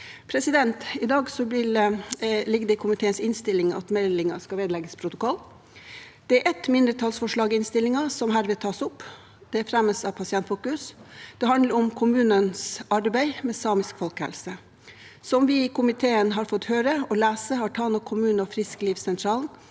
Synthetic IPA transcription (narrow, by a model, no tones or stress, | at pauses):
pʰɾɛsɪd̪ɛnt̪ɪd̪ɑːɡsɔblɪl | lɪɡd̪ɛɪkʰʊmɪt̪ʰeːənsɪnst̪ɪlːɪŋɑ̰t̪mɛlːɪŋɑ̰skɑʋeːd̪lɛɡəspʰɾʊt̪ʊkɔlː | d̪̥ɛæɾʔɛt̪mɪnd̪ɾət̪ʰɑlsfɔʂɭɑːɡɪɪnst̪ɪlːɪŋɑsɔmɦæːɾʋɪːt̪ʰɑːsʊpː | d̪̥ɛfɾɛmːəsɑʋpʰɑsɪɛnt̪fuːkʉsd̪̥ɛɦɑnd̪ləɾɔmkʰʊmʉːnənsɑɾbæɪmɛsɑːmɪskfɔlkhɛ̰lsə | sɔmʋɪkʊmɪt̪ʰeːənɦɑɾfɔt̪ːhøːɾəɔlæːsəhɑʈʰɑːlnɔkʰʊmʉːnɔfɾɪskliːfsɛnt̪ʰɾɑːln